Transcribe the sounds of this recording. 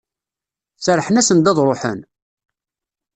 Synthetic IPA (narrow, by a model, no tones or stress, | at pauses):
t͡sːəɾˤːəħənæsənd̪ɑðˤɾˤoħə̰n